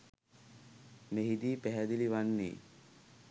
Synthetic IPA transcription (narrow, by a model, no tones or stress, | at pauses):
meɦid̪iːpæɦæd̪iliʋanːḭː